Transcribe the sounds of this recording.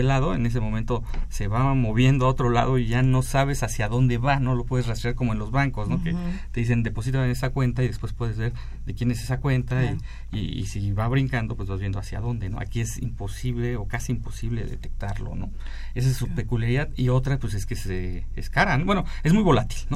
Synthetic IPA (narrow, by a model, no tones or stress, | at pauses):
elaðo̞ḛne̞s̬emo̞mẽnt̪ose̞βamo̞βje̞nd̪oao̞t̪ɾo̞la̰ðo̞iʝanosaβ̞e̞sasjaðo̞nd̪e̞βano̞lo̞pwe̞ð̞e̞zrast̪ɾeaɾko̞moe̞nlozβaŋko̞zno̞ket̪e̞ðis̬e̞nd̪e̞po̞s̬it̪aene̞sakwe̞nt̪aiðespwe̞spwe̞ðe̞zβe̞ɾ | ðe̞kje̞ne̞se̞sakwe̞nt̪ai | iḭsiβaβɾiŋkand̪o̞pwe̞zβazβje̞nd̪oasja̰ðo̞nd̪e̞no̞̰ʔa̰kie̞sḭmpo̞siβle̞o̞kasiːmpo̞siβleðḛt̪e̞k̚t̪aɾlo̞̰no̞̰ | e̞s̬aesːupe̞kuljaɾiðaðio̞t̪ɾapwes̬e̞skese | ḛskaɾanoβwe̞no̞e̞zmujβo̞lat̪i̥lno